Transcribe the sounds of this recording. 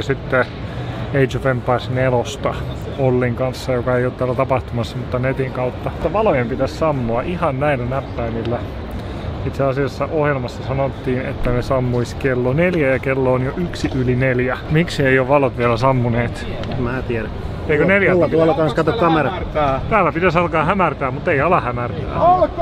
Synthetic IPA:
sit̪ːe | eit̪t͡ʃofempɑrsnelost̪ɑ | olːiŋkɑnsːɑjokɑeiot̪t̪æːlːæt̪ɑpɑht̪umɑsːɑmut̪ːɑnet̪iŋkɑut̪ːɑt̪ːæʋɑlojempit̪æssɑmːoɑʔihɑnnæilːænæpːæimilːæ | it̪seɑsiɑsːɑʔohjelmɑsːɑsɑnot̪ːiːnḛt̪ːænesɑmːuiskelːoneljæjɑkelːoːnjoʔyksiʔylineljæmiksieioʋʋɑlot̪ʋielæsɑmːuneːt̪ | emmæːt̪iæɾæ | eikøneljæslːɑuolːɑkɑnskɑt̪okkɑmerɑt̪æːlːæpit̪æsɑlkɑːhæmært̪æːmmut̪ːeiɑlɑhæmært̪æ̰ː

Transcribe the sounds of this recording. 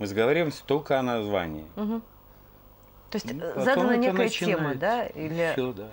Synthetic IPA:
mɨzəɡəvɐɾʲimsʲt̪olʲkəɐnɐzva̰nʲɪ̰ɪm̩ɦm̩ | t̪oɪsʲtʲzad̪ənənʲekəjəeməd̪ailʲɪ

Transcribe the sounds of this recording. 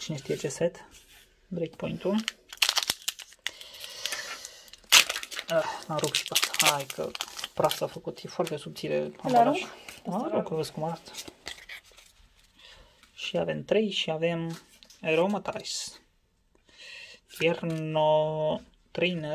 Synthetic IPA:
t͡ʃinest̪iet͡ʃesɛt̪ | d̪ɾekpoint̪un | ənaɾukʃi̥pasajkʰə̰pɾasafəkut̪jefwart̪esub̚t̪ilḛaaɾauʃaɾokvəskumaast̪ | ʃia̰vɛmt̪ɾɛjʃiavem | eɾomat̪ajs | jɛrno | t̪ɾejnə

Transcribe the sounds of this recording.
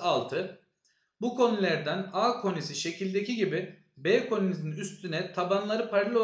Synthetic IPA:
alˠt̪ʰɯ | bukʰo̞nulʲæɾd̪ænaːkʰo̞nisiʃe̞cʰilʲd̪e̞ciɟibi | bɛkʰo̞nʲinzninyst̪ʰynɛt̪ʰabanlˠaɾɯpʰaɾlʲˠo

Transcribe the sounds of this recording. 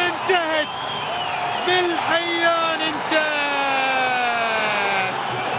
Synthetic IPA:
ɪnt̪ahɪt̪ | bɪlħajːaːnɪnt̪a | t̪

